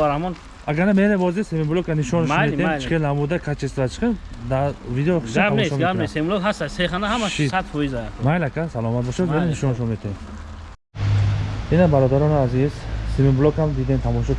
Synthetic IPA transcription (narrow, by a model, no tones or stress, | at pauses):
aɾahmɔn | aɡaɾnameɾembɔzesemibulɔkaniʃɔniʃɔet̪et͡ʃi̥χelnamud̪akʰat͡ʃʰest̪ɾat͡ʃʰi̥χemd̪avid̪eɔχi̥ʃaaanoɔeɡaɾesembulɔkhast̪aseχanahamaʃʃisat̪fɔizamajlakʰasalɔmat̪̚bɔʃad̪meeniʃɔnʃɔmet̪ʰem | inabaɾɔd̪aɾɔniazizsemimbulɔkamd̪id̪emt̪ʰamɔʃɔk